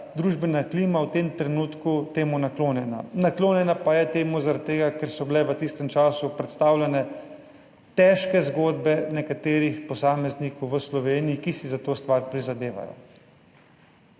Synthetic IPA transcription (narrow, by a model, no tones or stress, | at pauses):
d̪ɾuʒbɛnakliːmawt̪emt̪ɾɛnuːt̪kut̪eːmunakloːnjɛna̰nakloːnjɛnapajɛt̪eːmuzaɾat̪ːeːɡakɛɾsɔbilɛʋət̪ist̪ɛmt͡ʃaːsupɾɛt̪st̪aːwlʲɛnɛ | t̪ɛʃkɛzɡoːd̪bɛnɛkat̪eːɾixpɔsaːmɛznikɔwʋəslɔʋeːnijikisizat̪oːst̪ʋaɾpɾizad̪eːʋa̰jɔ̰